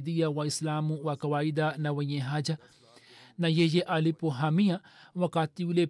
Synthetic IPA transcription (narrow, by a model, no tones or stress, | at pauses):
d̪ijawaislaːmuwakɐwaːid̪anɐwɐjẽɦad͡ʒa | najejeʔalipoɦamijawɐkaːt̪iule